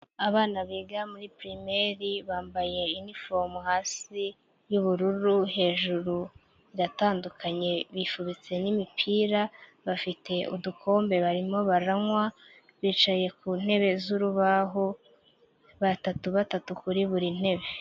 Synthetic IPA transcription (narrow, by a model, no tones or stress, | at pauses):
aβaːnaβiːɡamuɾipɾimeɾiβaːmbaje̞inifomuhaːsi | juβuɾuɾuɦe̞ːʒuɾu | iɾataːndukʰaɲe̞βifuβit͡se̞nimipʰiːɾa | βafite̞ʔudukʰo̞ːmbe̞βaɾimo̞βaɾaŋwa | βiːt͡ʃaje̞kun̥he̞βe̞zuɾuβaɦo | βatatuβatatukuɾiβuɾin̥e̞βe̞